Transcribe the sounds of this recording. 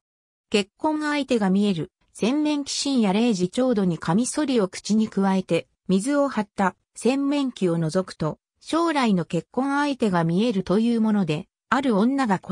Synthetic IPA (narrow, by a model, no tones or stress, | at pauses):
ke̞kːõ̞ŋait̪e̞ɡamʲie̞ɾɯ̟ | sẽ̞mːẽ̞ŋkʲi̥ɕĩɰ̃jaɾe̞ːʑit͡ɕo̞ːd̪o̞ɲ̟ikʰamʲiso̞ɾʲio̞kɯ̟̥t͡ɕiɲ̟ikɯ̟βae̞t̪e̞ | mʲizɨo̞hat̪ːa | sẽ̞mːẽ̞ŋkʲio̞no̞zo̞kɯ̟̥t̪o̞ | ɕo̞ːɾaino̞ke̞kːõ̞ŋait̪e̞ɡamʲie̞ɾɯ̟t̪o̞jɯːmo̞no̞d̪e̞ | aɾɯ̟õ̞nːaɡako